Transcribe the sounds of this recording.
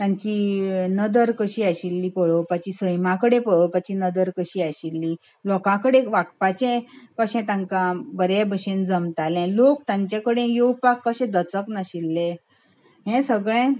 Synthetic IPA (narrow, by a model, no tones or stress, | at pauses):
t̪ãɲt͡ɕinəd̪əɾkəɕiːaɕilːipəɭəpat͡ɕisəjmãkəɽepəɭəpat͡ɕinəd̪əɾkəɕiːaɕilːi | lɔkãkəɽeʋakpat͡ɕẽpəɕɛ̃t̪ãŋkãbəɾebʱəɕẽnd͡zəmt̪alɛ̃lokt̪ãɲt͡ɕẽkəɽẽjowpakːəɕɛ̃d̪ət͡səknəɕilːẽ | ɦɛ̃səɡɭɛ̃